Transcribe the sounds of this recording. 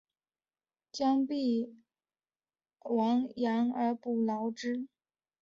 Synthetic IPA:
t͡ɕjɑ˥ŋpi˥˩ | wɑ˧˥ŋjɑ˧˥nə˞˧˥pu˥˩lɑ˧˥ʊʈ͡ʂɻ̩˥

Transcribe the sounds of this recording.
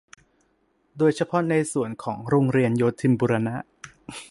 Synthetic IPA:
doː˧jt͡ɕʰa˧pʰɔ˦˥na˧jsu˨˩ənkʰɔː˩˦ŋɾoː˧ŋɾi˧ənjoː˧t̪ʰi˧mbuː˧ɾa˧na˦˥ʔ

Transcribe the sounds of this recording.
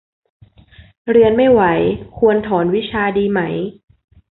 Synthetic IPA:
ɾi˧ənma˥˩jwa˩˦jkʰu˧ənt̪ʰɔː˩˦nwi˦˥t͡ɕʰaː˧diː˧ma˦˥j

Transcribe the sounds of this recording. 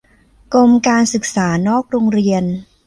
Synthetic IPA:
ko˧mkaː˧nsɯ˨˩k̚saː˩˦nɔː˥˩k̚ɾoː˧ŋɾi˧ən

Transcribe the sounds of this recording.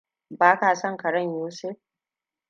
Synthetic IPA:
baː˦kaː˨sɐ˦ŋkɐ˨ɽɐ˦˨ɲjuː˦seː˦

